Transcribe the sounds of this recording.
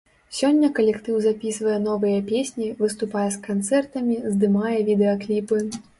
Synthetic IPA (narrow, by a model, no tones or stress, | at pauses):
sʲɔnʲːɐkɐlʲɛkt̪ɨwzapʲisvɐjɛnɔvɨjɐpʲesʲnʲivɨst̪upajɛskant̪sɛrt̪ɐmʲizd̪ɨmajɛvʲid̪ɛɐklʲipɨ